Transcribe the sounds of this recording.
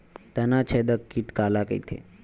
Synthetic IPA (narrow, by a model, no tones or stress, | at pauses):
t̪ənat͡ʃʰed̪əkːiʈkalakə̰it̪ʰḛ